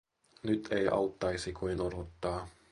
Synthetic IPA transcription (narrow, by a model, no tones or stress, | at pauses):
nyt̪ʰejʔɑ̰wt̪ːɑjsikuinodot̪ːɑː